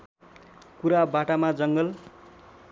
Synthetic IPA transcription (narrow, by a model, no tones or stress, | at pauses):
kuɾabaʈamad͡zʌŋɡʌl